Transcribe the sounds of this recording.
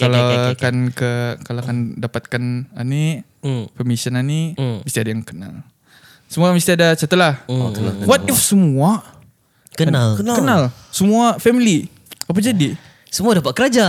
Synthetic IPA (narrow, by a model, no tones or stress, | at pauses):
kalawkankəkalaakandapat̪̚kanani | fəmisənaniməst̪iadajaŋkəna̰l | səmualməst̪iadat͡ʃat̪əlahəawat̪̚ifsəmua | kənakənkənalsəmuafɛmili | ap̬ad͡ʒadi | səmuadapat̪̚kəɾad͡ʒa